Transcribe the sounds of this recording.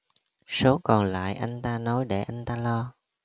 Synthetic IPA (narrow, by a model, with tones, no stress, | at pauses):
so˨˦kɔ˨˩nla̰ː˧˨jʔa˧jŋ̟t̪aː˧nɔ˨˦jɗe˧˩ʔa˧jŋ̟t̪aː˧lɔ˧